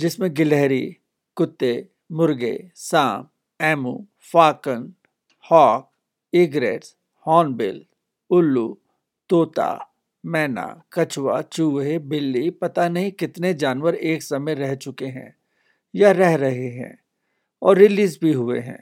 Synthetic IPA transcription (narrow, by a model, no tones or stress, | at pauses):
d͡ʒɪsmẽɡɪlɛɦɾi | kʊt̪ːe | mʊɾɡḛsãːm̚ | ɛːmṵ̃ː | faːkən | hɔːk̚ | ɪɡɾḛːʈs | hɔːnbɪl | ʊlːu | t̪oːt̪a̰ | mɛːna̰kɐt͡ʃwa̰t͡ʃuːɦebɪlːipɐt̪anɐɦĩkɪt̪ned͡ʒaːnwəɾeːksɐmẽɾɛɦt͡ʃʊkeɦɛ̰̃ː | jaɾɛɦɾɐɦeɦɛ̰̃ː | ɔːɾːɪliːzbʱiɦʊḛɦɛ̰̃ː